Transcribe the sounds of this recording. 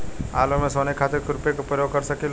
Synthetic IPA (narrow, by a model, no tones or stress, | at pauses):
aːlomẽsoːnekʰat̪eɾkʊɾʊpekopɾəjoɡ̚kəɾsəkil